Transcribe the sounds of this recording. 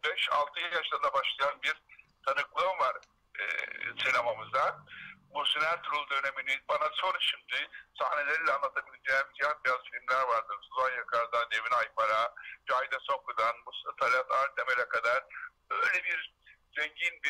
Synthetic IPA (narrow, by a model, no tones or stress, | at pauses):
bɛʃa̰lˠt̪ʰɯjlˠjaʃlˠand̪abaʃlˠajanbiɾ | t̪ʰanɯklˠnvaɾ̰ | sinemamɯzd̪abusinæɾʲt̪ʰuɾulˠd̪ø̞ne̞minibanasonʃimd̪ɪsahne̞lʲeɾilʲɛanˠat̪ʰabilʲed͡ʒebid͡ʒejɛnbijazfilʲmlʲæɾvaɾd̪ɯɾsuzanjakʰaɾd̪and̪e̞vinajpʰaɾad͡ʒajd̪aso̞kʰud̪anmust̪at̪ʰalʲat̪lˠaɾt̪ʰemeɾʲɛkʰad̪aɾ̥bøjlʲebiɾ | zeɲɟinbi